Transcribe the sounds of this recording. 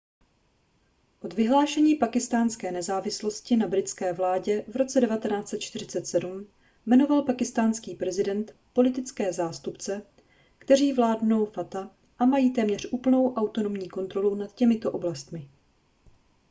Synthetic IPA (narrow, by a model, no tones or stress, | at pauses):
ʔo̞d̪vɪɦlaːʃɛɲiːpakɪst̪aːnskɛːnɛzaːvɪslo̞scɪnabɾɪt̪t͡skɛːvlaːɟɛvɾo̞t͡sɛdɛvat̪ɛnaːt͡sɛt̪̚t͡ʃt̪ɪɾ̝ɪt͡sɛt̪sɛdum | mɛno̞valpakɪst̪aːnskiːpɾɛzɪdɛnt̪po̞lɪt̪ɪt͡skɛːzaːst̪upt͡sɛ | kt̪ɛɾ̝iːvlaːdno̞wfat̪a | ʔamajiːt̪ɛːmɲɛr̝ʔuːpl̩no̞wʔawt̪o̞no̞mɲiːko̞nt̪ɾo̞lunat̪cɛmɪt̪o̞ʔo̞blast̪mɪ